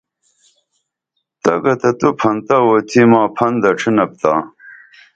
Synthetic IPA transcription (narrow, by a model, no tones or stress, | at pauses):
t̪ɐɡɐt̪ɐt̪upʰɐnt̪ɐwoːt̪ʰimaːpʰɐnd̪ɐʈ͡ʂʰinɐp̚t̪aː